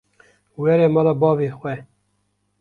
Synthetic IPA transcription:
wɛɾɛmɑlɑːbɑːveːxwɛ

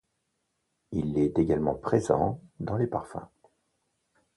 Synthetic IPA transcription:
ilɛt̪eɡalmɑ̃pχezɑ̰̃d̪ɑ̃lepaʁfɛ̰̃

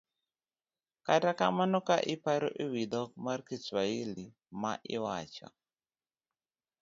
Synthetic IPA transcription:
kataka̰manɔkaʔɪpaɾo̰ʔiwid̪ɔk̚maɾkiswaili | maʔɪwa̰t͡ʃɔ̰

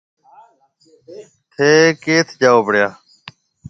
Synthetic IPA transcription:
t̪ʰeːkeːt̪ʰd͡ʒaːoːbəɽjaː

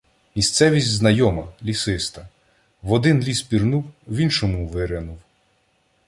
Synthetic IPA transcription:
mʲist̪sɛʋʲisʲtʲznɐjɔmɐlʲisɪst̪ɐ | ʋɔd̪ɪnlʲispʲirnuwʋʲinʃɔmʊʋɪɾɪnuw

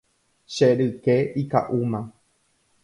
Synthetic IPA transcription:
ʃeɾɨkeika̰ʔumã

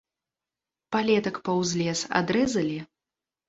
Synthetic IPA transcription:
palʲɛt̪ɐkpɐwzʲlʲɛsa̰d̪ɾɛzɐlʲi

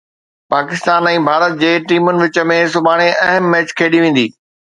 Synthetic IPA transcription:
paːkɪst̪aːnɛ̃ːbʱaːɾət̪̚d͡ʑeːʈiːmʊnɪ̆ʋɪt͡ɕə̆mẽs̬ʊbaːɽ̃eʔɐɦəmːɛːt͡ɕkʰeːɗiʋẽːn̆d̪iː

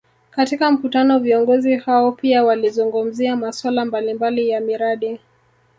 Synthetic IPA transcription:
katikam̩kutanɔviɔŋɡɔzihaɔpiawalizuŋɡum̩ziamaswalambalimbalijamiɾaɗi

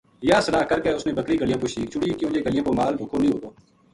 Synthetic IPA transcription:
jaːsəlaːkəɾkeʊsnẽːbəkɾiːɡəlɪjãːpoːʃiːkt͡ʃʊɽiːkjõːd͡ʒeːɡəlɪjãːpoːmaːlbʱʊkʰoːnəĩɦoːt̪oː

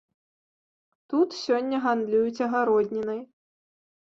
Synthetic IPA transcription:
t̪ut̪sʲɔnʲːɐɣand̪lʲujut͡sʲɐɣaɾɔd̪ʲnʲinɐj

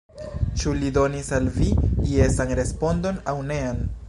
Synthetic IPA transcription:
t͡ʃulido̞nisalviie̞sanɾe̞spo̞ndo̞nawne̞an

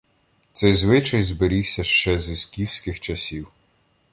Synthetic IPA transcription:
t̪sɛjzʋɪt͡ʃɐjzbeɾʲiwsʲɐʃt͡ʃɛzisʲkʲiwsʲkɪxt͡ʃɐsʲiw

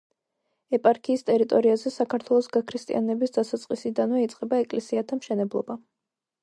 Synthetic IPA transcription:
ɛpʼaɾkʰiːst̪ʼɛɾit̪ʼɔɾiazɛsakʰaɾt̪ʰwɛlˠɔsɡakʰɾist̪ʼḭa̰nɛbisd̪atsat̪sʼqʼisid̪anvɛit̪sʼqʼɛbaɛkʼlɛsiat̪ʰamʃɛnɛblˠɔba

